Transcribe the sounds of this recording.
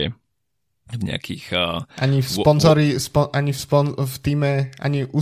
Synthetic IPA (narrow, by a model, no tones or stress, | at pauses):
ɛ | vɲɛ̰a̰kʰḭxʔaɲifspɔnzɔɾispɔʔaɲifspɔnft̪iːmɛʔa̰ɲiʔu